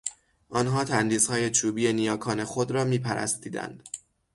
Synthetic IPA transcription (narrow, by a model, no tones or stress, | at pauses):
ʔɒːnɦɒːt̪ʰænd̪iːshɒːje̞t͡ʃʰuːbijenijɒːkʰɒːne̞xod̪ɾɒːmiːpʰæɾæ̰st̪iːd̪æ̰nd̪̥